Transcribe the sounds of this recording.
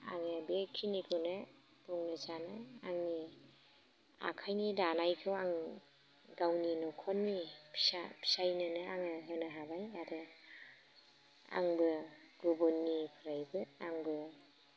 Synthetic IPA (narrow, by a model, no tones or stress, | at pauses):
a̰ŋɯbekʰinikʰɯne | puŋnɯzanaaŋni | a̰kʰajnidanajkʰɯwaŋ | ɡawninɔkʰɔnnipʰsapʰi̥sajnɯnɯaŋɯɦɯnɯɦabajaɾɯ | a̰ŋbɯ | ɡ̥ubɔnːipʰɯɾajbɯaŋbɯ